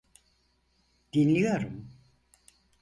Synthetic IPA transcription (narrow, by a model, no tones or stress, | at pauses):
d̪̥inlʲijo̞ɾum